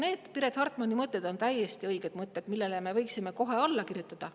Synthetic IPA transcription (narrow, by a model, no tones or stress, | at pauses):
ne̞ːd̪̥piɾet̪hɑrt̪ˑmonʲːimɤt̪ːˑe̞d̪̥o̞nt̪æjːest̪iɤjɡ̥e̞d̪mɤt̪ˑːe̞t̪milːe̞leme̞vɤjksime̞ko̞ɦe̞olːɑkirjut̪ːˑɑd̪̥ɑ